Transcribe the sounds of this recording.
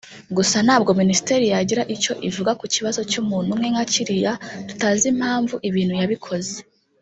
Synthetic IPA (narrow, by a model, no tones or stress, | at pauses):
ɡusan̥aːb̚ɡo̞minisi̥te̞ɾijaɟiɾaʔico̞ʔivuɡakuciβazo̞cumuːn̥umŋe̞ŋaciɾijatu̥tazim̥haːɱvuʔiβiːn̥hujaβikʰo̞ze